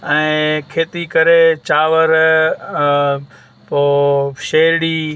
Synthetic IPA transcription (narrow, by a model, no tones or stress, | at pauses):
ɛ̃ːkʰeːt̪ikəɾet͡ʃaːʋəɾ | poːʃeːɽiː